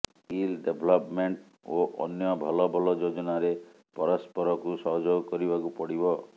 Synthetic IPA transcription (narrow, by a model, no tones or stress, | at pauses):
kilɖebʱɔlɔpmeɳʈ | oʔɔ̰njɔbʱɔlɔbʱɔlɔd͡ʒod͡ʒɔnaɾe | pɔɾɔspɔɾɔkusɔɦɔd͡ʒoɡkɔɾibakupɔɽibɔ